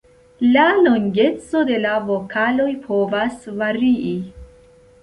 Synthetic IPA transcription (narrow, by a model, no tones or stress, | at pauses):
lalo̞ŋɡe̞t͡so̞de̞lavo̞kʰalo̞jpʰo̞vasvaɾii